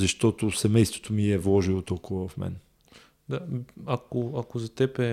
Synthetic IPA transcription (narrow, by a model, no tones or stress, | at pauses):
zɐʃt̪ɔt̪ʊsɛmɛjst̪vo̥t̪omiɛvlˠɔʒilˠot̪ɔlˠkʊvɐvɐfmɛ̰n | d̪aakoɐkozɐt̪ɛpɛ